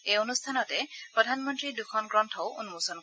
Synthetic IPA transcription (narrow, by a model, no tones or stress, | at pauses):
ejonustʰanɔtɛpɹɔdʱanmɔntɹidukʰɔnɡɹɔntʰɔwunmusɔn